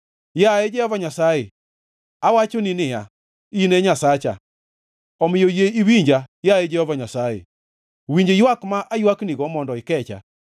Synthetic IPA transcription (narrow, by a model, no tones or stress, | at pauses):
jaed͡ʒɛhɔvaɲasaje | awat͡ʃoninɪja | ineɲasat͡ʃa̰ | ɔmɪjojeiwiɲd͡ʒajaed͡ʒɛhɔvaɲasajḛ | wiɲd͡ʒejwakmaʔajwakniɣɔmɔndɔɪkɛt͡ʃa̰